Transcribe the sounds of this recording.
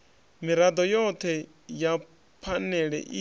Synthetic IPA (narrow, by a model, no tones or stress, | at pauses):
miɾad̪ɔjɔt̪ʰɛ | ja | pʰanɛɺɛ̰ʔi